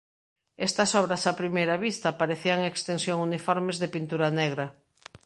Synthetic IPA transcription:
ɛst̪ɐsɔβɾɐsapɾimejɾɐβist̪ɐpaɾeθiaŋekst̪ensjoŋunifɔɾmezðepint̪uɾanɛɣɾɐ

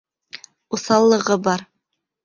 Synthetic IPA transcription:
uθɑlˠːɤ̆ʁɤbɑɾ

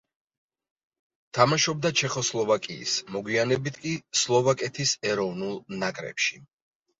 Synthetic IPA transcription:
t̪ʰamaʃɔb̚d̪at͡ʃʰɛχɔslˠɔvakʼḭːsmɔɡwianɛbit̪ʰkʼislˠɔvakʼɛt̪ʰisɛɾɔvnulˠnakʼɾɛ̰pʃi

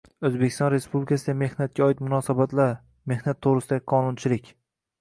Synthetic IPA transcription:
ɵzbekʲɪ̥st̪ɒnɾe̞spublɪikʰasɪd̪ame̞hnat̪̚kʲaɒɪt̪mʊnɒsabat̪laɾ | me̞hnat̪ʰːoʁɾɪsɪd̪aɪqʰɒnʊnt͡ʃʰɪlɪkʲ

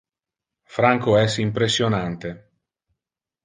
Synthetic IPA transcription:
fɾaŋkoɛsimpɾesːjonant̪e

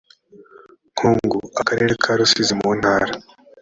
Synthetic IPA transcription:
ŋ̥hʰuːŋɡuakaɾeːɾekʰaːɾusizimun̥haːɾa

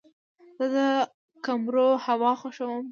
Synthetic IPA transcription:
z̥əd̪ə | kamɾohawɑxoʃəwəm

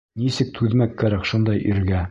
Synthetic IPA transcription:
nisɘk̚t̪ʰʉðmækːæɾækʃund̪ɑjʔiɾɡæ

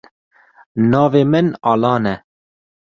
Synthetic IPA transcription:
nɑːveːmɨnɑːlɑːnɛ

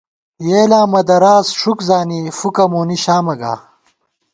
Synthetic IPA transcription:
jeːlaːmɐd̪ɐɾaːzʂukzaːnifukɐmuːniɕaːmɐɡa̰ː

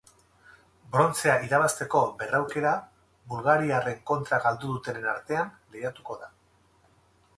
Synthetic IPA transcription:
bɾo̞nt͡se̞aʔiɾaβ̞ast̪e̞ko̞be̞rawke̞ɾa | bulɣaɾiare̞ŋko̞nt̪ɾaɣald̪uðut̪e̞nena̰ɾt̪e̞an | lejat̪uko̞ða

